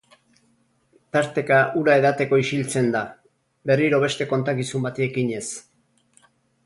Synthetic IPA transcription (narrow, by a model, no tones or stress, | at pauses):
t̪aɾt̪e̞kaʔuɾae̞ðat̪e̞ko̞iʃilt͡se̞nd̪a | be̞riɾo̞β̞e̞st̪e̞ko̞nt̪akisumbat̪iekiɲe̞s